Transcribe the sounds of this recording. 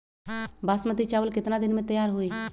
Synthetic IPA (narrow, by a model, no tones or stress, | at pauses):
baːsmət̪it͡ʃaːʋəlkɪt̪nad̪ɪnmẽt̪əjaːɾɦoiː